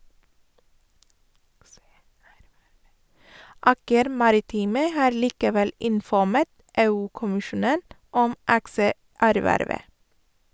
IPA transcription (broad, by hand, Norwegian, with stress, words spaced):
ˈɑːkəɾ ˈmɑɾɪˌtiːmə ˈhɑːɾ ˈliːkəˌʋɛl ɪnfɔˈmɛt ˈeːʉːkʊmɪˌʃuːnən ˈɔm ˈɑksəˌæɾˌʋæɾʋə